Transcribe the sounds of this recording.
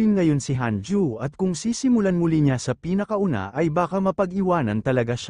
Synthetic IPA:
ɪnŋɐjo̞nsɪɦand͡ʒuɐt̪̚kʊŋsiːsɪmʊlanmʊliɲasɐpiːnɐkɐʔʊna̰ʔɐjbaːkɐmɐpɐɡɪwaːnɐ̰nt̪ɐlɐɡaʃa

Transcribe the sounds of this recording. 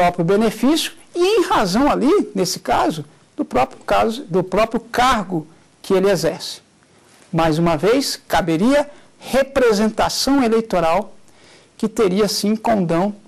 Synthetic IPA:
ɾɔpɾjʊbenefisjʊ̥ɪẽj̃hazɐ̃w̃alinesɪ̥kazʊ | d̪ʊpɾɔpɾʊkazd̪ʊpɾɔpɾjʊkaɾɡʊ | kɪelɪezɛɾsɪ̥ | majzũmɐvejskabeɾiɐ | hepɾezẽnt̪asɐ̃w̃elejt̪oɾaw | kɪt̪eɾiɐsĩkõd̪ɐ̃w̃

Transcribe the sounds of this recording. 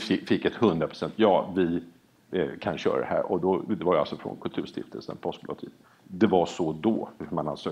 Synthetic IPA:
ɪfɪkːɛt̪hɵnd̪ɾapɾ̥ʊ̥sɛnt̪ʰjɑːvɪ | kʰanɕœ̰ːɾa̰d̪ɛɦæ̰ːɾɔd̪ɔd̪ɛvaja̰lsɔfɾɔ̰nkʰɵlt̪ʰʉ̟ːʂt̪ɪft̪ʰəlsə̰npʰɔsk̚blɔ̰t̪ʰḭːd̪ | d̪ɛvaʂɔd̪ɔmana̰nsøː

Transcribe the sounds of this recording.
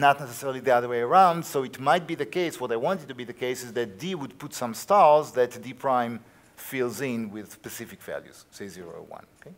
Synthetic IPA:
nət̪nɛsɛsɛɹlˠiðiaðə˞weɪə˞ãʊ̃ndsoɨtmajt̪̚biðɨkeɪswʌtaɪwɑ̃ntɨd̚tubiðəkeɪsɪzðæt̚diwud̪̚putsʌ̃mstɑɹzðæt̪dipʰɹãɪ̃m | filˠzɪ̃nwɪðspɛsɪfɪkv̥æ̰ljṵz̥seɪziɹo̰wã̰noke

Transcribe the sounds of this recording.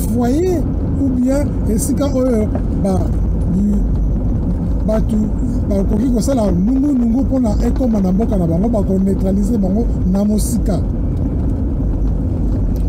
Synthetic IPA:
fwaje | ubia | esikaʔojo | ba | batu | bakokikosalamundunuŋɡuponaʔekomanambokanabaŋɡobakonetʁalizebaŋɡo | namosika

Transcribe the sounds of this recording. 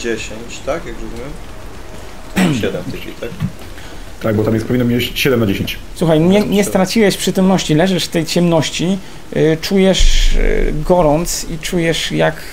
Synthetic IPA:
d͡ʑeɕeɲt͡ɕt̪akjakɾɔzumʲjɛm | ɕɛd̪ɛmt̪ɨkʲḭt̪ak | t̪aɡ̚bɔt̪amjɛspɔvʲinːɔmʲjet͡ɕɕɛd̪ɛmnad͡ʑeɕeɲt͡ɕ | swuxajɲɛɲɛst̪ɾat͡ɕiwɛʂpʂɘt̪ɔmnɔɕt͡ɕilɛʐɛʂft̪ɛjt͡ɕɛmnɔɕt͡ɕi | t͡ʂujɛʂ | ɡɔɾɔnt̪sit͡ʂujɛʂjak

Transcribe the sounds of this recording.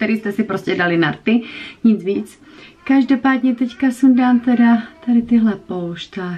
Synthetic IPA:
t̪ɛɾiːst̪ɛsɪpɾoscɛdalɪnaɾt̪ɪɲɪd͡zviːt͡s | kaʒdopaːdɲɛt̪ɛckasumdaːnt̪ɛdat̪adɪt̪ɪɦlɛpolʃt̪aː

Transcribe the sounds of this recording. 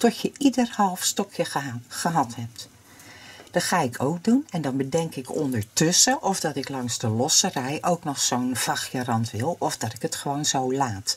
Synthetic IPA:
tɔtjəʔidərhɑlˠfstɔkʰjəχəɦɑthɛp̚t | d̥ɑtχaːɪkʰowk̚dunɛndɑnbədɛŋkɪkɔ̰ndəɹtɵsəʔɔvdɑtɪklɑŋzdəlɔsərɛjʔowknɔχsownv̥ɑxjərɑntʋɪlˠɔvdɑtɪkətχəʋownzowlaːt

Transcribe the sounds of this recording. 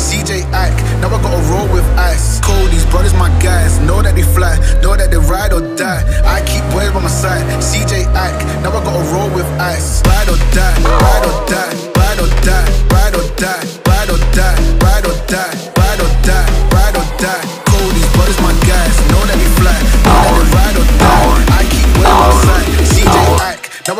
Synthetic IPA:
sid͡ʒeɪʔak | naʊaɡɔtəɹoʊlˠwɪðaɪskʰoldizbɹʌðəzmaɪɡaɪsnoʊlɛt̚iflɛnoʊlɛt̚ðəɹaɪɾɔda | aɪkʰip̚b̥ɛɹbãmasaɪd | sid͡ʒeɪak | naʊaɡɔtəɹoʊlˠwɪðaɪsɹaɪɾɔdaɹaɪɾɔda | ɹaɪɾɔdaɹaɪɾɔda | ɹaɪɾɔdaɹaɪɾɔda | ɹaɪɾɔdaɹaɪɾɔda | kʰoʊɾiwɔɾɨzmaɪɡaɪznoʊlɛt̚miflɛʃnoʊlɛðəɹaɪɾɔdoaaɪkʰip̚wɛbãmasaɪdsid͡ʒeɪak | na

